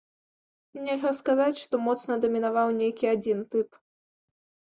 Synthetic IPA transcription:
mnʲɛlʲɦɐskazat͡sʲʂt̪ɔmɔt̪snɐd̪ɐmʲinavawnʲejkʲiad͡zʲint̪ɨp

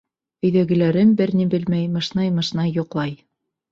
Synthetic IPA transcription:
ɵ̆jðæɡɘ̆læɾɘmbɘɾnibɘlmæjmɤ̆ʃnɑjmɤ̆ʃnɑjːŏqlˠɑj

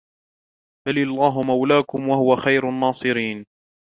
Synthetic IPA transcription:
balɪɑlˤːaːɦʊmawlaːkʊmwaɦʊwaxajɾʊnːɑːsˤɨɾiːn

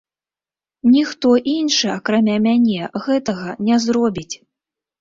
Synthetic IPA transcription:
nʲixt̪ɔʔinʂɨakɾamʲamʲanʲɛɣɛt̪ɐɣɐnʲɛzɾɔbʲit͡sʲ

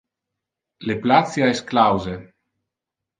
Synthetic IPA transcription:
leplat͡sjaɛsklawze

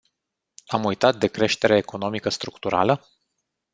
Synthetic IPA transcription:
amujt̪at̪̚d̪e̞kɾe̞ʃt̪e̞ɾeːko̞no̞mikəst̪ɾukt̪uɾa̰lə

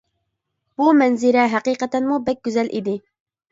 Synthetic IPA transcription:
b̥umɛnzɪɾɛɦæqiːqɛt̪ɛnmubɛk̚ʲɡʲyzɛlʔḭd̪ɪ

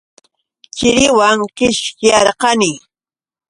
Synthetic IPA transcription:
t͡ʃɪɾɪwaŋkɪʃkɪjɑɾqɑnɪ

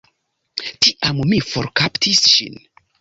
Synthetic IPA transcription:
tiʔammifoɾkaptʰisʃḭn

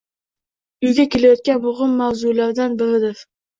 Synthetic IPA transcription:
ʊjɡʲakʲelajɒt̪̚kʲanbʊʁʊmːawzʊlaɾd̪anbɪɾɪd̪ɪɾ

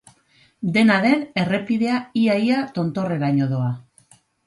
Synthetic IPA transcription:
d̪e̞naðe̞ne̞re̞piðe̞aiajat̪o̞nt̪o̞re̞ɾaɲo̞ð̞o̞a

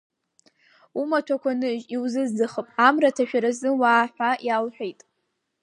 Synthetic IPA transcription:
umatʷʰakʷʰanɨʒiwzɨzdɨχəpʼamratʰaʃᶣaɾazɨwaːħʷᶣajalħʷᶣejtʼ

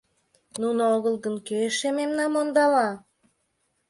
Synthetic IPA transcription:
nunoɣəlˠɣənkeʃememnɑmond̪ɑlɑ

